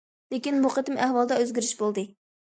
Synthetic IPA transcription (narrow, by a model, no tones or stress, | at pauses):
lekʲinbuqʰət̪ɪmʔæhwɑlˠd̪ɑøzɡʲɪɾyʃbolˠd̪ɨ